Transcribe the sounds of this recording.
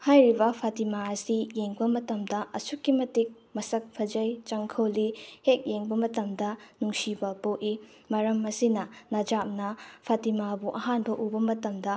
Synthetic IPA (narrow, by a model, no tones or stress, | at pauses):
hajɾibɐpʰatimaɐsijeŋbɐmɐtɐmdɐʔɐsukːimɐtik̚ | mɐsɐk̚pʰɐd͡ʒɐjt͡ʃɐŋkʰɐwlihek̚jeŋbɐmɐtɐmdɐnuŋsibɐpoʔi | mɐɾɐmɐsinɐnɐd͡ʒap̚nɐpʰatimabuʔɐɦanbɐʔubɐmɐtɐmdɐ